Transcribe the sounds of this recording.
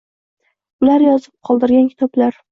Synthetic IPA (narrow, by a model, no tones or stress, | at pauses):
ʊlaɾjɒzɪp̚qʰɒlˠd̪ɪɾɡʲankʲʰɪ̥t̪ʰɒblaɾ